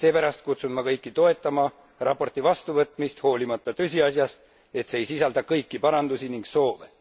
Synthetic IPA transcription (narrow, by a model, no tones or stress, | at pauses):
se̞ːpæɾɑst̪̚kut̪sunmɑkɤjkːit̪o̞e̞t̪ːˑɑmɑ | rʔɑpːo̞rt̪ivɑst̪uvɤt̪ˑmist̪ho̞ːlimɑt̪ˑːɑt̪ɤsʲiɑsjɑst̪ | e̞t̪seejsisɑld̪̥ɑkɤjkːipɑɾɑnd̪̥usiniŋɡso̞ːve